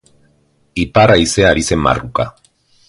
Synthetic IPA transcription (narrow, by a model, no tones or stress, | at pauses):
ipaɾajse̞aɾise̞mba̰ruka